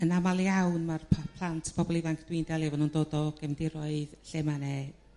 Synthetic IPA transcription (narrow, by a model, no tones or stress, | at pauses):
ənamalˠjawnmarpʰapʰlˠantʰb̥ʰɔbɔlˠivaŋkʰd̥wɪndɛlˠɛvɔnuːndoːdɔɡ̥ɛmdɪɾɔɨðɬɛmanɛ